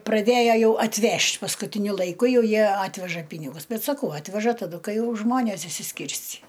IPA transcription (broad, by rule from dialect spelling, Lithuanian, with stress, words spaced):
prɐˈdʲeːjɛ ˈjɛʊ ɐtʲˈʋʲɛʃʲtʲ pɐskʊtʲɪˈnʲʊ lˠɐɪˈkʊ ˈjɛʊ ˈjiɛ ˈɑːtʲʋʲɛʒɐ ˈpʲiːnʲɪɡʊs ˈbʲɛt sɐˈkɐʊ ˈɑːtʲʋʲɛʒɐ tɐˈdʊ ˈkɐɪ ˈjɛʊ ˈʒmoːnʲeːs ɪʃʲsʲɪˈsʲkʲɪrʲsʲt͡sʲiː